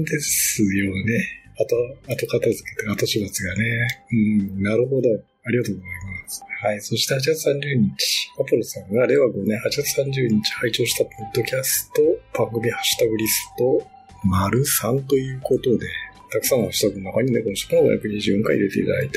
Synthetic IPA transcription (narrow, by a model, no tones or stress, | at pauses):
d̪e̞sɨjo̞ne̞ | at̪oːt̪okat̪azɨkḁt̪ːeat̪oɕibat͡sɨɡaneɯ̟̃naɾɯ̟ɦo̞d̪o̞ | aɾʲiɡat̪oːɡozaimasɨ̥haiso̞ɕi̥t̪e̞hat͡ɕiɡat͡sɨ̥sãɲd͡ʑɨːɲ̟it͡ɕi̥papɯ̟ɾo̞sãŋɡaɾe̞βaɡonẽ̞hat͡ɕiɡat͡sɨ̥sãɲ̟d͡ʑɨːɲ̟it͡ɕi̥hait͡ɕo̞ːɕi̥t̪apʰo̞d̪ːo̞kʲasɨ̥t̪o̞b̥ãŋɡɯ̟mʲihaɕɨ̥t̪aɡɯ̟ɾʲisɨ̥t̪o̞ | maɾɯ̟sãnt̪o̞jɯ̟ːko̞t̪o̞d̪e̞ | t̪akɯ̟sãnːohaɕi̥t̪aɡɯmakaɲ̟ind̪ekonoɕo̥kɯnob̪a̰ja̰kɯ̟ɲɲiʑɨːjõ̞ŋkaḭd̪e̞t̪eḭt̪ad̪a̰it̪e